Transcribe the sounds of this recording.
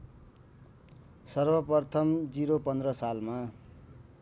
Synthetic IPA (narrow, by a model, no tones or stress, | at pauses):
sʌrbʌpʌrt̪ʰʌmd͡ziɾopʌnd̪rʌsalma